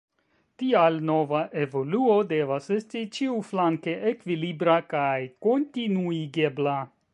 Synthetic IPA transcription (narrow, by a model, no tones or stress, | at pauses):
tialno̞vaʔe̞vo̞luode̞vase̞stit͡ʃiuflaŋke̞ʔekvilibɾakajko̞ntinuiɡe̞bla